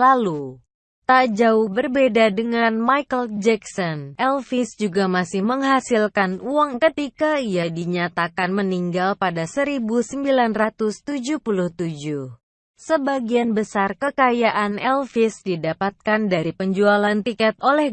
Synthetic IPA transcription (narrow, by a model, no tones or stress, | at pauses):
lalu | t̪ad͡ʒaʊhbərbedadəŋanmajkəld͡ʒɛksɔnʔɛlfɪsd͡ʒuɡamasɪhməŋɦasilkanuaŋkət̪ikaijadiɲat̪akanməniŋɡalpadasəɾibusəmbilanrat̪ʊst̪ud͡ʒuhpuluht̪ud͡ʒʊh | səbaɡianbəsarkəkajaʔanɛlfɪsdidapat̪̚kandaɾipəɲd͡ʒualant̪ikɛt̪olɛh